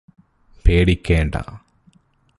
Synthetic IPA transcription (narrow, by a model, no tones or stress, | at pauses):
peːɽikʲːeːɳɖɐ̰